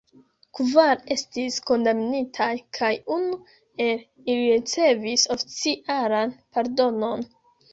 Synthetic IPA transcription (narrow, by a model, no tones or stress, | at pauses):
kvaɾe̞stisko̞ndamnitʰajkʰajunu | e̞l | iliɾit͡se̞viso̞fi̥t͡siʔalanpaɾdo̞no̞n